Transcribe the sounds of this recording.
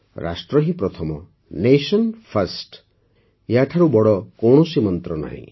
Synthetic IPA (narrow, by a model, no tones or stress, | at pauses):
ɾʔa̰sʈɾɔɦĩpɾɔt̪ʰɔmɔ̰ | nesɔnpʰaɾsʈ | jaʈʰaɾubɔɽɔkowɳ̃ɔsimɔnt̪ɾɔna̰ɦḭ̃